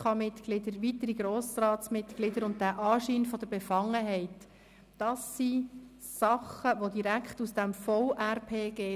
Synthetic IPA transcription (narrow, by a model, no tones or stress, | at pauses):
ɑmɪtɡ̥lɪdəɾʋitəɾiɡɾoːsrɑːtsmɪt̪ɡ̥lɪdəɾʊnt̚dæʔɑːʃiːnfɔd̥̪əɾbɛfɑŋːəɦɛɪtː | ɑsi | sɑχəʋodiɾækχtusd̥ɛmfɔʊʔærpʰeːɡ̥eː